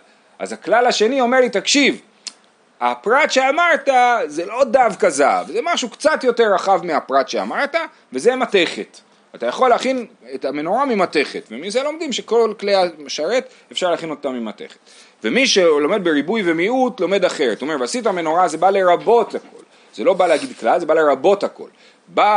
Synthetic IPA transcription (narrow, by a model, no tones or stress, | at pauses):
ʔa̰zaklalaʃe̞nio̞me̞ʁlit̪akʃiv | a̰pʁat̪ʃe̞amaʁt̪azelo̞d̪avkaza̰vezemaʃukt͡sat̪jo̞te̞ʁaχavmeapʁat̪ʃe̞a̰maʁta | ve̞zemate̞χe̞t | at̪ajaχo̞lːeaχinet̪amenoʁamimate̞χet̪vemis̬elo̞md̪imʃe̞ko̞lkleaʃaʁet | efʃaʁleaχinott̪ːamimat̪e̞̰χet̪ | vemiʃelo̞me̞d̪̚beʁibujve̞miutlo̞me̞d̪aχe̞ʁtomeveasitame̞noʁazebale̞ʁabo̞t̪hako̞̰l | z̥elo̞baleaɡid̪klalzebale̞ʁabo̞thako̞̰l | ba